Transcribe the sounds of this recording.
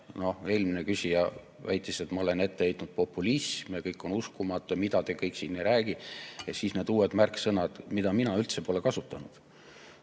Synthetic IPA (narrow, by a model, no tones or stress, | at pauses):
no̞he̞ːlminekysʲijɑ | væjt̪ːˑise̞t̪mɑo̞le̞ne̞t̪ːe̞ejt̪nud̪̚po̞pːˑulismjɑkɤjkːˑo̞nuskumɑt̪ːˑjɑmid̪̥ɑt̪e̞ːkɤjkːsiːnːejɾæːɡijesiːsne̞ːd̪̥uːe̞d̪mærksɤnɑd̪mid̪ɑminɑylt̪se̞po̞le̞kɑsut̪ːˑɑnud̪̥